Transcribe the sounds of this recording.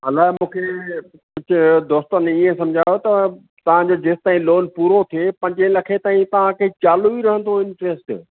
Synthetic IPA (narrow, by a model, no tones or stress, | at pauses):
ɐlaːɦmũːkʰeː | kʊd͡ʑʰʱd̪oːst̪əniẽsɐ̃md͡ʑʱaːjot̪ɐ | t̪ɐʋ̤ãd͡ʑod͡ʑeːst̪aːĩloːnpuːɾot̪ʰiepɐ̃ɲd͡ʑə̃lɐkʰet̪aːĩt̪ɐʋ̤ãkʰeːt͡ɕaːloiɾɐɦə̃nd̪ʰoɪ̃nʈɾeːsʈ